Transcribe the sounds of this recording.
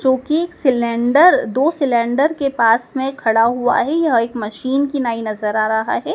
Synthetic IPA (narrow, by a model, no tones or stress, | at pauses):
d͡ʒoːkieːksɪlɛ̃ːɳɖəɾd̪oːsɪlɛ̃ːɳɖəɾkepaːsmẽkʰɐɽaɦua̰ɦɛjɐɦeːkmɐʃiːnkinaːinɐzəɾaːɾɐɦa̰ɦɛː